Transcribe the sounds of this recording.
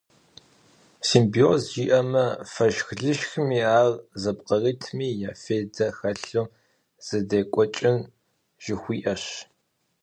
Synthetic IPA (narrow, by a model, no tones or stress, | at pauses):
simbiozʒiːʔɐmɐfɐʒxɮɨʃxɨmiːaːrzɐpqɐriːtʰmiːjaːfeːdɐxɐɬo | z̥ɨdeːkʷʼɔt͡ʃʼɪn | ʒ̥ɪxʷiːʔɐɕ